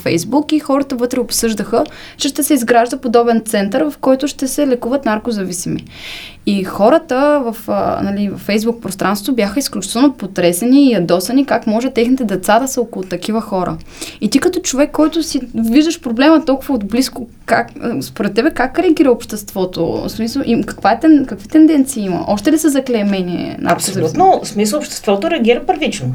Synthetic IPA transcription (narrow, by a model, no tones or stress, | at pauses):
fɛjzbukixɔɾət̪əvɤt̪ɾɛopsɤʒd̪əxə | t͡ʃɛʃt̪ɛsɛizɡɾaʒd̪əpod̪ɔbɛnt̪sɛnt̪əɾvɐfkɔjt̪ʊʃt̪ɛsɛlɛkuvət̪naɾkozɐvisimḭ | ixɔɾət̪əvɐfnɐlivɐ̰fːɛjzbuk̚pɾost̪ɾanso̥t̪obʲjaxəisklʲut͡ʃi̥t̪ɛlˠnopot̪ɾɛsɛniːɐd̪ɔsɐnikakmɔʒɛt̪ːɛxnit̪ɛd̪ɛt̪sad̪ɐsəokʊlˠʊt̪ɐk̟ivəxɔɾə̰ | it̪ikɐt̪ɔt͡ʃovɛkːɔjt̪ʊsiviʒd̪əʃpɾoblɛmət̪ɔlˠkʊvɐod̪bliskʊ | kakspoɾɛt̪ːɛbɛkakɾɛɐɡʲiɾəopʃt̪ɛst̪v̥ɔt̪o̰smisəlˠʔikɐ̥kvaɛt̪ɛkɐkvit̪ɛnd̪ɛnt̪siimɐ̰ʔɔʃt̪ɛlisɛzɐklʲɛmɛnʲiɛ̰nʔɐ̰ɐpslut̪nosmisəopʃt̪ɛ̥st̪vɔt̪oɾɛɐɡʲiɾəpəɾvit͡ʃno